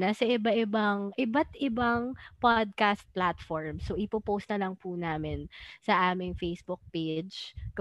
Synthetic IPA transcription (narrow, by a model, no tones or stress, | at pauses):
nɐsɐʔɪbaʔɪbaŋʔɪbat̪ʔɪbaŋpad̪̚kast̪̚plat̪fɔɹmsoʔɪpopowst̪ɐlɐŋpunaːmɪnsɐʔaːmɪŋfejsbʊk̚ped͡ʒkɐ